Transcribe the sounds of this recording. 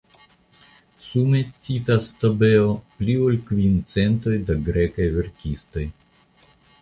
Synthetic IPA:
sumet͡sit̪ast̪obeopliolkvint͡sent̪o̞jd̪aɡɾekajveɾkʲist̪o̞j

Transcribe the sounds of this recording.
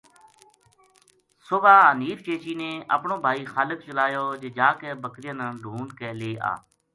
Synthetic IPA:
sʊʋaːəniːft͡ʃeːt͡ʃiːnẽːʔə̰pɳõːbʱaːiːxaːlək̚t͡ʃəlaːjoːd͡ʒeːd͡ʒaːkɛːbəkɾɪjə̃ːnə̃nɖʱuːɳkɛːleːʔa̰ː

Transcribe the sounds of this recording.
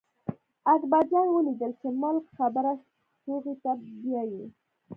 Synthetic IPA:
akbad͡ʒɑnwəlid̪əlt͡ʃemʊlkxabəɾa | toɣit̪abjɑji

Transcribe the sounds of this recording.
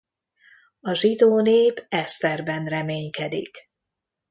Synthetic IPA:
ɒʒid̪oːneːvɛst̪ɛrbɛnrɛmeːɲkɛd̪ḭk

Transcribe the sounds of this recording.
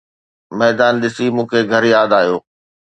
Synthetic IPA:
mɛːd̪aːnɗ̪ɪsimũːkʰeɡʱɐɾjaːd̪aːɦijoː

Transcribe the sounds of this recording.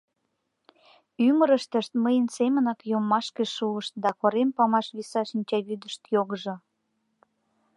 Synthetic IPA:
yməɾəʃt̪əʃt̪məjənsemənɑkjomːɑʃkeʃuəʃt̪̚d̪ɑkoɾempɑmɑʃβisɑʃinʲt͡ɕɑβyd̪əʃt̪joɣəʒŏ

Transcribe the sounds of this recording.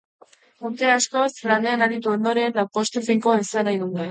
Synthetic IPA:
uɾt̪e̞asko̞slane̞anaɾit̪uond̪o̞ɾe̞nlapo̞st̪efiŋkoaesanajðuna

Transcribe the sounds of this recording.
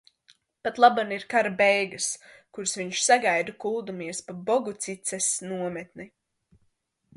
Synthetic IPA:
pat̪lˠabaniɾkaɾabɛjɡaskuɾsviɲʃsaɡajd̪akulˠd̪umiɛspabɔɡut̪sit̪sɛsnuɔmɛt̪ni

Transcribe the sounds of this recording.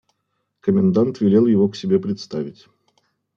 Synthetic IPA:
kəmʲɪnd̪ant̪vʲɪlʲe̞lˠjɪvoksʲɪbʲe̞pɾʲɪt̪st̪avʲɪtʲ

